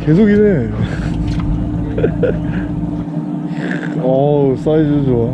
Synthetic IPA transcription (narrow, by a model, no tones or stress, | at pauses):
ke̞s̬ʰoɡine | ʌs͈aid͡ʑod͡ʑo